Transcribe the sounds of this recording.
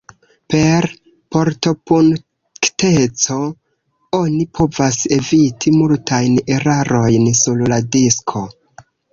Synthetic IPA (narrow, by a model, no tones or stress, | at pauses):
pe̞ɾ | po̞ɾto̞pun | ktet͡so̞ | o̞nipʰo̞vase̞vitʰimultʰajne̞ɾaɾo̞jnsulladiskʰo̞